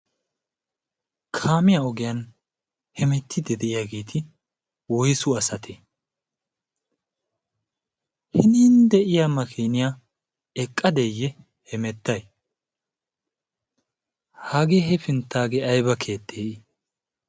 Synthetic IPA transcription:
kʰaːmɪjaɔɡɪjɐn | hɛmɛt̪ʰːɪd̪ɛd̪ɛʔɪjaɡeːt̪ʰɪ | wɔjsʊɐsɐt̪ʰɛ | hɪniːnd̪ɛʔɪjaːmɐkʰeːnɪja | ɛkʼːɐd̪ɛjːɛ | hɛmɛt̪ːɐj | hɐɡeːɦɛfɪnt̪ːaːɡɛɐjbɐkʰe̞ːt̪ːeːʔɪ

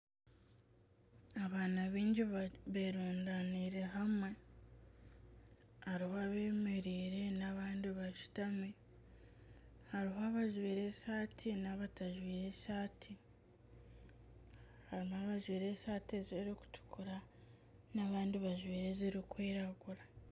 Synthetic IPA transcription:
aβaːnaβiːɲɟiβeːɾuːndaniɾe̞ɦamwe̞ | aɾihoaβeːmeɾiːɾe̞naβaːndiβaʃu̥tami | haɾiɦoaβaʒwiːɾe̞saːtʰinaβataʒwiːɾe̞ːsaːtʰi | haɾimaβaʒwiːɾe̞saːtiziɾiku̥tʰu̥kuɾa | naβaːndiβaʒwiːɾe̞ziɾikwiːɾaɡuɾa

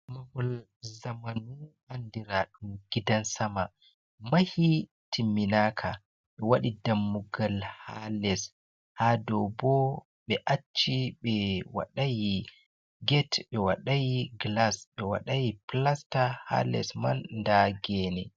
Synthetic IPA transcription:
mahɔl | zamanu | andiɾaɗumɡ̥idansama | mahi | tʰimːinaːkʰa | ɓɛwaɗidamːuɡalhalɛs | hadɔbɔ | ɓɛʔat͡ʃːiɓɛwa̰ɗaji | ɡɛtɓɛwaɗajiɡlasɓɛwa̰ɗajiplastaha̰lɛ̰smanːdaɡɛːnɛ

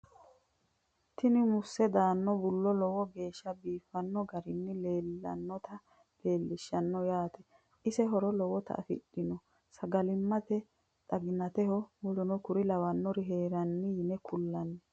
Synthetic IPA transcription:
t̪ɪnɪmʊsːɛd̪aːnːɔbʊlːɔlɔwɔɡe̞ːʃːɐbiːfɐnːɔɡɐɾɪnːɪleːlːɐ̰nːɔt̪ɐ | le̞ːlːɪʃːɐnːɔjaːt̪ɛ̥ | ɪsɛɦɔɾɔlɔwɔt̪ɐ̰ʔɐ̰fɪ̰ɗɪnɔ | sɐɡɐlɪmːɐt̪ɛ | t̪ʼɐɡɪnɐt̪ɛhɔwɔlʊnɔkʊɾɪlɐwɐnːɔɾɪɦeːɾɐnːɪjɪnɛkʰʊlːɐnːɛ

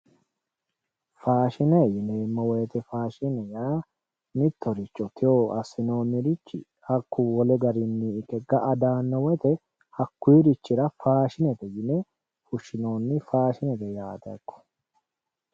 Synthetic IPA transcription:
faːʃɪnɛjɪneːmːɔweːt̪ɛfaːʃɪnɛjaː | mɪt̪ːɔɾɪt͡ʃːɔt̪ʰɪjoːʔɐsːɪno̞ːnːɪɾɪt͡ʃːɪ̰ | hɐkːʊwɔlɛɡɐɾɪnːiɪkːɛɡɐʔɐd̪aːnːɔwɛt̪ɛ | hɐkːijːɾɪt͡ʃːɪɾɐfaːʃɪnɛt̪ɛjɪnɛ | fʊʃːɪno̞ːnːɪfaːʃɪnɛt̪ɛjaːt̪ɐ̰kːɔ̥

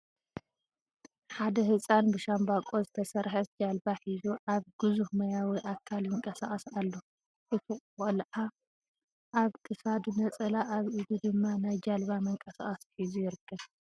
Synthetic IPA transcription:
ħad̪ɐhɨsʼanbɨʃambakʼo̞zɨt̪ʰɐsɐɾħɐd͡ʒalbaħizuʔaβɡ̥ɨzuhmɐjawiʔakʰːaljɨŋkʼɐsaχʼɐsalːo | ʔɨt̪ʰikʼxʼolʔa | ʔaβkʰɨsad̪unɐt͡sʼɐlaʔːβʔɨd̪ud̪ɨmːanajd͡ʒalβamɐŋkʼɐsaχʼɐsħizujɪɾɨkʰːɐβ

